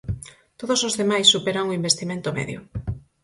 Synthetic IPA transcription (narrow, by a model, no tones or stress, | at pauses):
t̪oð̞osozðemajsːupeɾaŋoimbest̪imẽnt̪omɛ̰ðjo̰